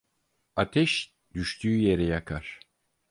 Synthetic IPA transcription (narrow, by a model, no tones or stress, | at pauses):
at̪ʰɛʃ | d̪̥yʃt̪ʰyːje̞ɾɛjakʰaɾ̥